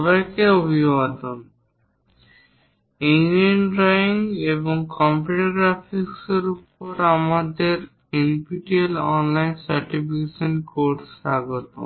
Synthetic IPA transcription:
bajkeobʱibad̪on | eŋdienɾaiŋeboŋkɔmpuʈoɡɾafikseɾupoɾamad̪eɾ | enpiʈielɔnlajnsaɾʈifikeʃonkoɾsʃaɡot̪o̰

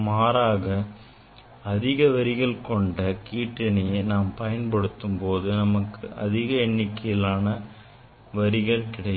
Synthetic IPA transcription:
maːɾaːɣɐ | ɐðɪɣɐʋɐɾɪɣɐɭkɔɳɖɐkiːʈːɪnɐjenaːmpɐjɐnpɐɽɯt̪ːɯmpoːðɯnɐmɐkːɯʔɐ̰ðɪɣɐɛɳːɪkːɐjɪlaːnɐ | ʋɐɾɪɣɐɭkɪɽɐj

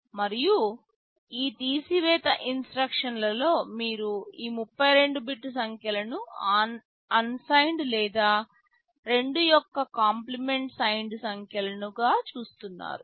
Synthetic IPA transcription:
mɐɾiju | iːt̪iːsiʋɛːt̪ɐʔinsʈɾɐkʂɐnlɐlo̞ːmiːɾuiːmupːɐjɾe̞ɳɖubiʈːusɐŋkjɐlɐnuaːn | ɐnsɐjɳɖlɛːd̪aː | ɾe̞ɳɖujɔkːɐkaːmplime̞ɳʈsɐjɳɖsɐŋkjɐlɐnuɡaːt͡ʃuːst̪unːa̰ːɾu

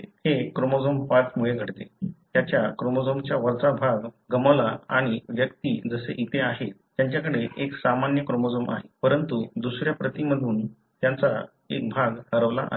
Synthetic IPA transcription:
hekɾomod͡zompat͡smuɭeɡʱəɽt̪ḛt̪jat͡ɕjakɾomod͡zomt͡ɕjaʋəɾt͡sabʱaɡɡəməʋlaa̰ɽ̃iʋjəkt̪iːd͡zəsḛʔit̪ʰeaɦet̪ːjaɲt͡ɕjakəɽeʔeksamanjəkɾomod͡zomʔa̰ɦepəɾənt̪ud̪usɾjapɾət̪iməd̪ʱuːn | t̪jant͡sa | ḛk̚bʱaɡhəɾəʋla̰ʔa̰

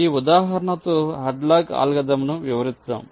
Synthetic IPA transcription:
iːud̪aːɦɐɾɐnɐt̪uɦɐɖlaːɡa̰ːlɡɐd̪ɐmnuʋiʋɐɾit̪ːɐ̰m

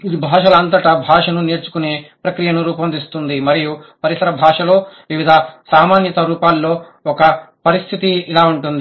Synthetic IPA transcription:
id̪ibʱaːʂɐlɐɐnt̪̬ɐʈɐbʱaːʂɐnuneːɾt͡ʃu̥kune̞ːpɾɐkɾijɐnuɾuːpɐnd̪ist̪und̪imɐɾijupɐɾisɐɾɐbʱaːʂɐlo̞ːʋiʋid̪ʱɐsaːmaːnjɐt̪ɐɾuːpaːlːo̞ː | ɔkɐpɐɾist̪ʰit̪iːlaːuɳʈund̪i

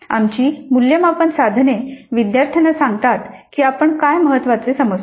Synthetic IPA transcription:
a̰mt͡ɕiːmuljəmapəɳsad̪ʱneʋid̪jaɾt̪ʰənasãŋɡt̪at̪kiːapəɳkajməɦət̪ːʋat͡sesəməs

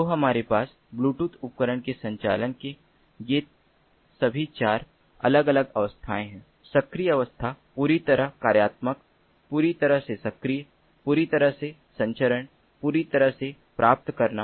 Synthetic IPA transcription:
oɦɐmaːɾepaːs | bluːʈut̪ʊp̚kəɾəɳ̃kesɐ̃ɲt͡ʃa̰ːlənke | je | sɐbʱit͡ʃaːɾ | ɐ̰ləɡɐləɡɐʋəst̪ʰaːẽɦɛ̃ː | sɐkɾijɐʋəst̪ʰapuːɾit̪ɐɾəɦkaːɾjaːt̪mək | puːɾit̪ɐɾəɦsesɐkɾijə | puːɾit̪ɐɾəɦse | sɐ̃ɲt͡ʃəɾəɳ | puːɾit̪ɐɾəɦse | pɾʔaːp̚t̪kɐɾna

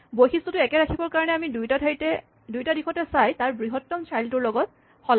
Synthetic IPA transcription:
bojxistɔtʊɛkɛɹakʰibɔɹkaɹɔnɛamidujtatʰatɛ | dujtadixɔtɛsajtaɹbɹiɦɔtːɔmsʰaɹltʊɹlɔɡɔt̚ | xɔla

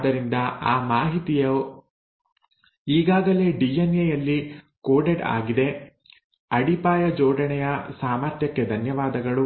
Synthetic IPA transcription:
d̪ɐɾind̪ɐaːmaːɦit̪ijɐ | iːɡaːɡɐle̞ːɖienejɐlːi | koːɖeɖa̰ːɡid̪e̞ | ɐɽipaːjɐd͡ʒɔːɖɐɳɛjɐsaːmɐɾt̪jɐkːed̪ʱɐnjɐʋaːd̪ɐɡɐɭu

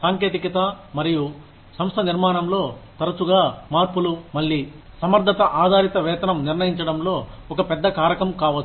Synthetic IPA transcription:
saːŋkeːt̪ikɐt̪ɐ | mɐɾiju | sɐmst̪ʰɐniɾmaːɳɐmlo̞ːt̪ɐɾɐt͡ʃuɡaːmaːɾpulumɐɭːi | sɐmɐɾd̪ʱɐt̪ɐʔaːd̪ʱaːɾit̪ɐʋɛːt̪ɐnɐmniɾnɐjiɲt͡ʃɐɽɐmlo̞ːɔkɐpɛd̪ːɐkaːɾɐkɐmkaːʋɐt͡ʃː

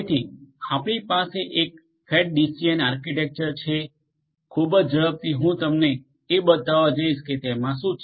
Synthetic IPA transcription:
t̪ʰiapɳ̃ipaseʔek̚ | heʈ̚ɖisiənaɾkiʈek̚t͡ʃəɾt͡ʃʰe | kʰubəd͡ʒd͡ʒəɭəp̚t̪iɦũt̪əmne | ebət̪aʋad͡ʒaiʃket̪emãʃũ

